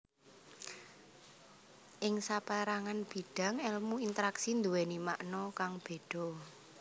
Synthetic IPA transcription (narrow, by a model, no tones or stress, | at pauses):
ʔɪŋsapaɾaŋanb̥i̤ɖ̥ä̤ŋɛlmuint̪əɾaksind̪uwɛnimaʔnɔkaŋb̥e̤ɖ̪̥ɔ̤